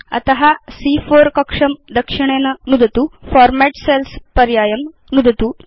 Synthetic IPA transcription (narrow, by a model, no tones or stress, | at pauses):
ɐ̰t̪ɐɦasifoɾkɐkʂɐmd̪əkʂiɳ̃enɐnud̪ʱət̪uːfɔɾmæʈselspɐɾjajɐm | nud̪ʱət̪uː